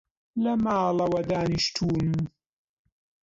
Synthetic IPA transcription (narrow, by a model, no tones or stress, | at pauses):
lɐmaːlɐwɐd̪aːniʃt̪ʰuːn